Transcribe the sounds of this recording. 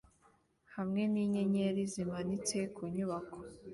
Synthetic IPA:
hamŋe̞niɲeɲeɾizimanit͡sekʰuɲuβako̥

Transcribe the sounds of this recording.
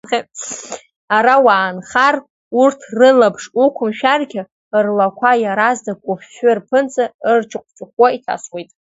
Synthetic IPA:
χe | aɾawaːnχar | urtʰrɨlapʰʂukʷʰʊmʃᶣarɡʲɪ | rlakʷʰajaɾazdakʷʼʊpʰʃᶣarpʰɨnt͡sʼaɨrt͡ʃʰɨqʷʼt͡ʃʼʊχwaitʰa̰swejtʼ

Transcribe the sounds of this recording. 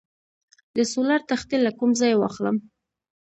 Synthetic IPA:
d̪əsolaɾt̪axt̪ilːakumzɑjwɑxləm

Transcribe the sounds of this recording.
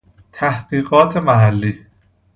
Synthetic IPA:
t̪ʰæhɢ̥iːɢɒːt̪ʰe̞mæɦælːiː

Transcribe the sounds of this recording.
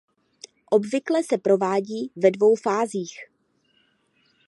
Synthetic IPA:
ʔo̞bvɪklɛsɛpɾo̞vaːɟiːvɛdvo̞wfaːziːx

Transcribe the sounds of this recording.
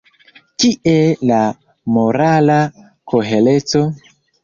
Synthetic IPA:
kiʔela | moɾala | kʰoɦelet͡so

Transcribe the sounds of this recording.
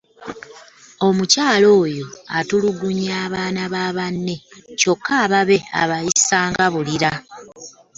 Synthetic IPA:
o̞mucaːlo̞ːjo̞a̰tuluɡuɲaːβaːnaβaːβanːe̞co̞kʰːaːβaβe̞a̰βajisaːŋɡaβuliɾa

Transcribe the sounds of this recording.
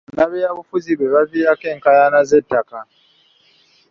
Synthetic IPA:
naβɛjaβufuzibwɛβavijakeŋ̩kajanazetaka

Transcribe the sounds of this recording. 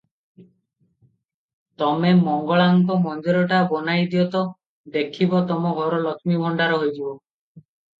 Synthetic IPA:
t̪ɔmemɔŋɡɔɭaŋkɔmɔnd͡ʒɔɾɔʈabɔnajd̪iɔt̪ɔ | d̪ekʰibɔt̪ɔmɔɡʱɔɾɔlɔkmibʱɔɳɖaɾɔɦojd͡ʒibɔ

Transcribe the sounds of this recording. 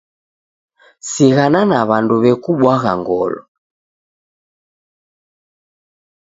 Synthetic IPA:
siɣananaβanduβɛkuɓwaɣa̰ŋɡɔlɔ̰

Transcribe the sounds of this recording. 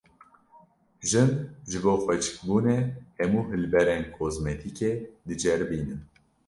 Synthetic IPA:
ʒɨnʒɨboːxʷɛt͡ʃʰɨ̥kbuːnehɛmuːɦɨlbɛɾɛnkʰoːzmɛt̪ʰikeːd̪ɨd͡ʒɛɾbiːnɨm

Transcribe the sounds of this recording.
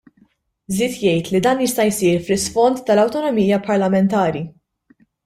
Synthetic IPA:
zɪːt̪jɛjt̪lid̪ɐːnjɪst̪ɐjsiːɾflɪsfɔnt̪ːɐlɐwt̪ɔnɔmiːjɐpɐɾlɐmɛnt̪ɐːɾi

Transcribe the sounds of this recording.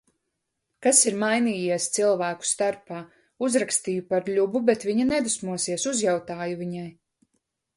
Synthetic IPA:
kasiɾmajniːjiɛst̪silˠvæːku̥st̪aɾpaː | uzɾakst̪iːjupaɾlʎʲububet̪viɲanɛd̪usmuɔsiɛsuzjawt̪aːjuviɲaj

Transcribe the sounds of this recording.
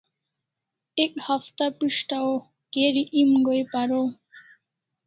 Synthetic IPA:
ek̚hʌft̪apiʃʈao | keɾiʔimɡojpaɾo

